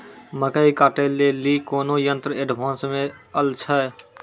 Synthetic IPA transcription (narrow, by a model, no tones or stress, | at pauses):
məkəikaːʈeːlːelikoːnojə̃nt̪ɾəeɖʋʱãːnsmẽəlt͡ʃʰə